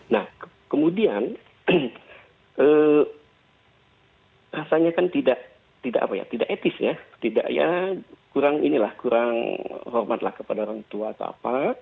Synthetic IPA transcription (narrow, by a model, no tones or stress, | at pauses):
nah | kəmudian | ʔə | rasaɲakant̪idaʔ | t̪idaʔa̰paja̰t̪idaʔet̪ɪsjat̪ida̰ʔja̰kuɾaŋinilahkuɾaŋhɔrmat̪lahkəpadaoɾaŋt̪uaːt̪a̰a̰pa